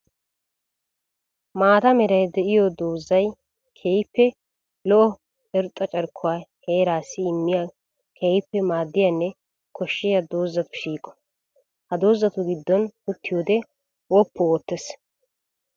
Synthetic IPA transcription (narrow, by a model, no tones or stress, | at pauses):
maːt̪ɐmɛɾɐjd̪ɛʔɪjɔd̪oːzːɐj | kʰeːjpːɛ | lɔʔɔ | ɛɾʊt̪ʼːɐt͡ʃʼɐɾkʰːʊwaːheːɾaːsɪːmːɪja | kʰeːjpːɛmaːd̪ːɪjɐnːɛ | kʰɔʃːɪjɐd̪oːzːɐpːɛʃiːkʼɔ̥ | hɐd̪oːzːɐt̪ʊɡɪd̪ːɔnʊt̪ːɪjoːd̪ɛ | wɔpːɔoːt̪ːɛs